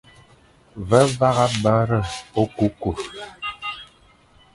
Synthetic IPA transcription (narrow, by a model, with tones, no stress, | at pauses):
və˦va˦ɣa˦bə˦ɾə˦˨o˦ku˦ku˨